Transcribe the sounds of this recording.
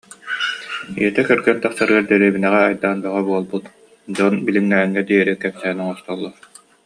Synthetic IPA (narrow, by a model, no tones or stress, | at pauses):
ḭɛt̪ɛkœɾɡɛnt̪aχsaɾɯaɾd̪iɾiːbinɛʁɛːjd̪aːnbɛʁabuɔlˠbut̪ | d͡ʑɔnbilimːæːŋːɛd̪iɛɾikɛpsɛɦːnɔŋɔst̪ɔlˠːɔɾ